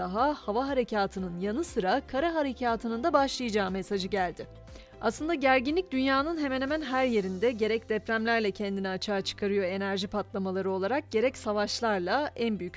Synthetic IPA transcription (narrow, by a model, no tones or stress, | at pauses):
aɦahavaɦaɾe̞cʰaːt̪ʰɯnɯnjanɯsɯɾakʰaɾaɦaɾe̞cʰaːt̪ʰɯnɯnd̪abaʃlˠɯjad͡ʒaːɯme̞sad͡ʒɯɟælʲd̪ɪ | a̰slˠɯnd̪aɟæɾɟinlʲic̚d̪ynjaːnɯnɦe̞mɛnhemænɦæɾje̞ɾind̪ɛɟe̞ɾɛc̚d̪ɛpɾæmlʲæɾlʲɛcʰɛnd̪iniat͡ʃʰaːt͡ʃʰɯ̥kʰaɾɯjo̞e̞næɾʒipat̪lˠamalˠaɾɯo̞lˠaɾak̚ɟ̥e̞ɾɛcsavaʃlˠaɾlˠaʔænbyjyc